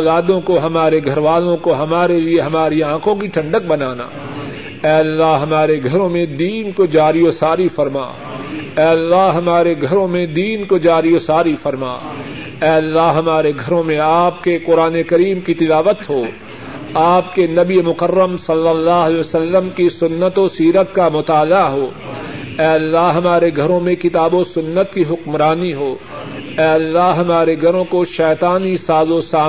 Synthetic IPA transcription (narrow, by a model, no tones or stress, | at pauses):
laːd̪õkoɦɐmaːɾeɡʱɐɾʋaːlõkoɦɐmaːɾelieɦɐmaːɾiãːkʰõkiʈʰɐ̃ɳɖək̚bɐnaːna̰ː | ɛːɐlːaɦɦɐmaːɾeɡʱɐɾõmẽd̪iːnkod͡ʒaːɾiosaːɾifɐɾma̰ː | ɛːɐlːaɦɦɐmaːɾeɡʱɐɾõmẽd̪iːnkod͡ʒaːɾiosaːɾifɐɾma̰ː | ɛːɐlːaɦɦɐmaːɾeɡʱɐɾõmẽaːp̚keqʊɾaːnekɐɾiːmkit̪ɪlaːʋət̪ɦoː | aːp̚kenɐbiemʊqərːəmsɐlːəlːaːɦɛsɐlːəmkisʊnːət̪osiːɾət̪kamʊt̪aːlaɦoː | ɛːɐlːaɦɦɐmaːɾeɡʱɐɾõmẽkɪt̪aːbosʊnːət̪kiɦʊkmɾaːniɦoː | ɛːɐlːaɦɦɐmaːɾeɡʱɐɾõkoʃɛːt̪aːnisaːzosaː